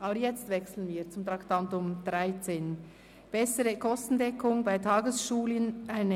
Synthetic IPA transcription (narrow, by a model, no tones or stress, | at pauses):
ʔɑːbəjɛt͡stvɛksl̩ənviːt͡sʊmt̪ʁɑktɑntʊmd̥ʁaɪt͡seːn | b̥ɛsəʁəkʰɔstn̩dɛkʰʊŋbaɪtʰɑːɡəsʃuːlənʔaɪnə